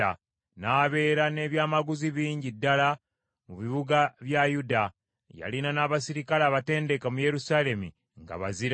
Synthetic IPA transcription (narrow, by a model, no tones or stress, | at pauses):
a | naːβe̞ːɾane̞ːβjaːmaɡuziβiːɲɟidːala | muβiβuɡaβjajuda | ja̰linanaːβasiɾikalaβate̞ːnde̞kamuje̞ɾusale̞mḭ | ŋɡa̰βaziɾ